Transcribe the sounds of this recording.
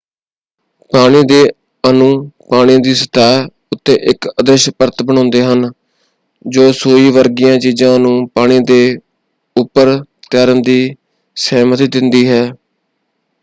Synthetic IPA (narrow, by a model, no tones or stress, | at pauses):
paːɽ̃iːd̪eː | ənũːpaːɽ̃ĩd̪iːsə̥t̪aː | ʊt̪ːẽːʔɪkəd̪əʃpəɾt̪bəɳ̃ãːnd̪eːɦən | d͡ʒoːsoːiːʋəɾɡɪjãːt͡ʃiːd͡ʒãːnũːpaːɽ̃ĩːd̪eː | ʊpːəɾt̪aːɾənd̪iː | sɛːmət̪d̪ɪnd̪iːɦɛː